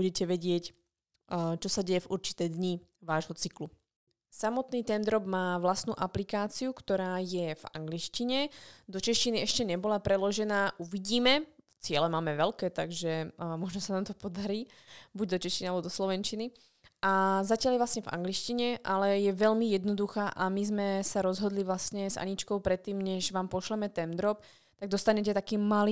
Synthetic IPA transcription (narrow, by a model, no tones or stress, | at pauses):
buɟɛcɛʋɛɟɪɛc | t͡ʃɔsaɟɛjɛvuɾt͡ʃi̥t̪ɛjd̪ɲi | ʋaːʒɦɔt͡siklu | samɔt̪niːt̪ɛnd̪ɾɔbmaːʋlast̪nuːʔaplikaːt͡siukt̪ɔɾaːjɛva̰ŋɡliʃciɲɛd̪ɔt͡ʃɛʃt͡ʃiniɛʃcɛɲɛbɔlapɾɛlɔʒɛnaːʔuʋiɟiːmɛft͡sɪɛlɛmaːmɛʋɛlkɛːt̪aɡʒɛmɔʒnɔsanaːmt̪ɔpɔd̪aɾiː | buɟ̚d̪ɔt͡ʃɛʃcinalɛbɔd̪ɔslɔʋɛnt͡ʃini | ʔazacɪaljɛʋlasɲɛva̰ŋɡliʃciɲɛʔalɛjɛʋɛʎmijɛd̪nɔd̪uxaːʔamizmɛsaɾɔzɦɔd̪liʋlasɲɛzʔa̰ɲit͡ʃkɔʊpɾɛt̪ːiːmɲɛʒʋaːmpɔʃlɛmɛt̪ɛnd̪ɾɔp̚ | t̪aɡ̚d̪ɔst̪aɲɛcɛt̪akiːmali